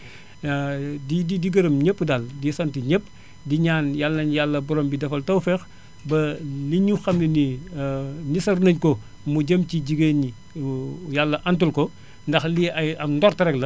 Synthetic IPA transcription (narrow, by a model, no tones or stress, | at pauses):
dididiɡɐɾɐmɲəpːdaldisɐntiɲəpː | diɲaːnjalːɐɲjalːɐbɔɾɔmbidɐfɐltɐwfɛx | bɐliɲuxɐmnini | nisɐrnɐɲkɔ | muɟəmciɟiɡəɲi | jalːɐʔɐntulkɔ | ndɐxliɐjɐndɔrtɐɾɛklɐ